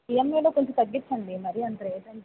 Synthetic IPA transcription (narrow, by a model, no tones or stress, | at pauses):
ijɐmːeːluːkoɲt͡ʃut̪ɐɡːit͡ʃːɐɳɖimɐɾiɐnd̪ɾeːsɐn